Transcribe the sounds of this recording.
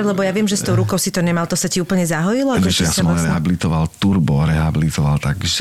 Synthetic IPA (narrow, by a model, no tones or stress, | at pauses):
lɛbɔjaʋɪɛmʒɛst̪ɔʊɾukɔʊsit̪ɔɲɛmalt̪ɔsaciuːpl̩ɲɛzaɦɔjilɔakʒɛjasmɾɛɦabilit̪ɔʋalt̪uɾbɔɾɛɦabilit̪ɔʋa̰lt̪aɡʒɛ